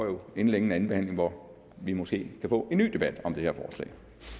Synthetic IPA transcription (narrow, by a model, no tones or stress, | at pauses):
ɒjo̝e̝nəleɡŋn̩æn̩be̝hæn̰le̝ŋʋɒ | ʋimosɡ̥e̝̰ːkʰæfɔ̰̽ːe̝nːy̰ːd̥e̝b̥æd̥ɒ̽md̥e̝heɐ̰fɒːslɛ̰ːɪ